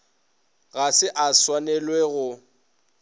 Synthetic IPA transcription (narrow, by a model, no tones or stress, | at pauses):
ɣasɪʔaswanɛlweɣʊ